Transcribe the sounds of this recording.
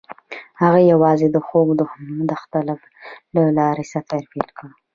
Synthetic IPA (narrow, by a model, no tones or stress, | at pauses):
haɣajawɑzed̪əxoɡd̪əd̪axt̪alaf | lalɑɾesafaɾfelkə